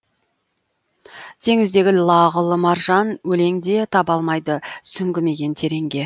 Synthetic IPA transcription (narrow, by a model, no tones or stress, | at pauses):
t̪ʰe̞ŋɪzd̪e̞ɡʲɪlˠɑʁəlˠəmɑɾʒɑnwɵle̞ŋd̪e̞t̪ʰɑbɑlˠmɑjd̪əsʏŋɡʲɪme̞ɡʲe̞nt̪ʰe̞ɾe̞ŋɡʲe̞